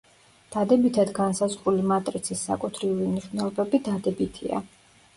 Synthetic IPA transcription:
d̪̥ad̪ɛbit̪ʰad̪ɡansazʁɾulimat̪ʼɾit̪sʰisːa̰kʼut̪ʰɾiulimniʃvnɛlˠɔbɛbid̪ad̪ɛbit̪ʰḭa̰

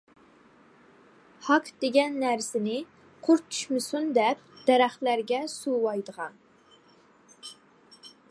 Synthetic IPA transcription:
hɑkd̪̥eɡʲɛnːæɾsɪnɪ | qʰʊɾt͡ʃʰy̥ʃmɪsund̪ɛp̚d̪̥ɛɾæχlæɾɡʲɛsuwɑjd̪əʁɑn

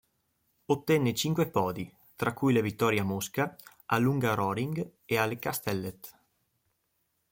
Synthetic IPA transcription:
ot̪ːɛnːet͡ʃiŋkwepɔːd̪i | t̪ɾakːujlevit̪ːɔɾjamoska | alːuŋɡaɾɔɾiŋɡealekast̪ɛlːet̪

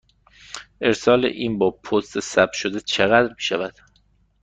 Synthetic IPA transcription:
ʔe̞ɾsɒːlḛʔiːnbɒːpʰost̪ʰesæb̚ʃod̪et͡ʃʰeɣæd̪ɾmiːʃævæd̪̥

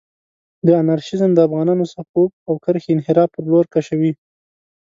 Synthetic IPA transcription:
d̪əanaɾʃɪzəmd̪əafɣɑnɑnosapup̚awkəɾxeɪnɦɪɾɑfpəɾloɾkaʃawi

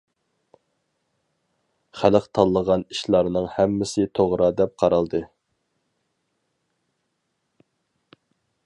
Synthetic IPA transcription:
χælɪqt̪ʰɑlˠːəʁɑniʃlˠɑɾnɨŋhɛmːɪsɪt̪ʰoʁɾɑd̪ɛp̚qʰɑɾɑlˠd̪ɨ

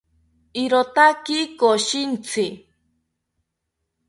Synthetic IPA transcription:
iɾot̪akikoʃint͡sʰi

